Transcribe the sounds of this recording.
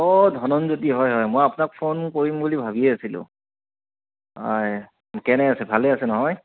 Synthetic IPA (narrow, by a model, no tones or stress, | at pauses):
ɔdʱɔnɔnzotiɦɔjɦɔjmojapʊnak̚pʰonkoɹimbulibʱabiɛasilʊ̰̃ | a̰j | kɛnɛasɛbʱalɛasɛnɔɦɔj